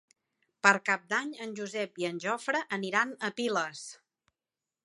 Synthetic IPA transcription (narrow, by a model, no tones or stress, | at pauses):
pəɾkap̚d̪aɲənʲʒuzɛpiənʲʒɔfɾəʔːniɾanəpiləs